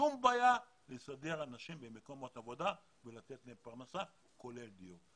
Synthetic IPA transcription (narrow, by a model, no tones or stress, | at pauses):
umbaːja | lesad̪e̞ʁanaʃimbemeko̞mo̞t̪avo̞d̪a | velat̪e̞t̪leempaʁnasa | ko̞leld̪iu